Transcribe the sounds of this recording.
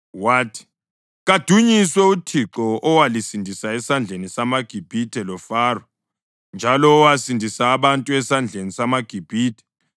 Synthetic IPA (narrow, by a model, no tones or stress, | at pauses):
waːtʰi̥ | ɣad̥ʱuɲiswɛutʰiǁɔɔwalisindʱisaɛsand͡ɮʱenisamaɡ̥ʱib̥ʱitʰʼɛlɔfaːrɔ | nd͡ʒʱalɔːwasindʱisaːβantʼuɛsand͡ɮʱenisamaɡ̥ʱib̥ʱiːtʰɛ̥